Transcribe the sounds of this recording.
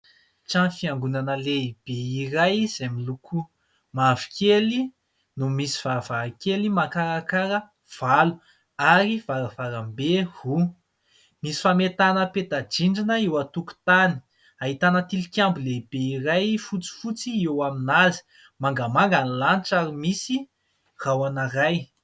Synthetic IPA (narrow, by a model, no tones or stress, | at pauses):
ʈ͡ʂanfiaŋɡunanəleib̥eiɾajz̥emiluku | mavi̥kʲeli | numisi̥v̥avakelimakaɾakaɾə | v̥alu̥ | aɾiv̥aɾav̥aɾambehu | misi̥famet̪anəpet̪ad͡ʒiɳɖ͡ʐinəewat̪uku̥t̪ani̥ | aɦit̪anət̪ilikʲjambuleb̥eiɾajfut͡si̥fut͡siewaminazi̥ | maŋɡamaŋɡanilaniʈ͡ʂaɾimisi | rawanaraj